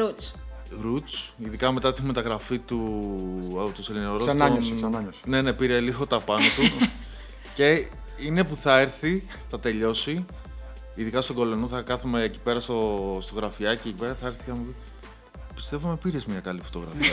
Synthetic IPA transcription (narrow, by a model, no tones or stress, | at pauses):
ɾut͡s | ɾut͡siðikɐme̞t̪ɐt̪ixumet̪ɐɣɾɐfit̪u | t̪oselineoɾosnɐɲsne̞ne̞piɾeliɣo̞t̪ɐpɐnɐt̪u | ce̞ | ine̞puθɐeɾθi | θɐt̪e̞ʎo̞si | iðikɐst̪oɡo̞lo̞noθɐkɐθumeːci̥pe̞ɾɐst̪ost̪oɣɾɐfiɐciecipe̞ɾɐθɐeɾθi̥ɐmuvi | pi̥st̪e̞vomepiɾe̞zmɲɐkɐlifo̞̥t̪oɣɾɐ̰fiɐ